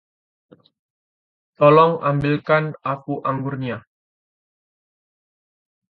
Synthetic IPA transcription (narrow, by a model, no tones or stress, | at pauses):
t̪ɔlɔŋa̰mbilkanakuʔaŋɡurɲa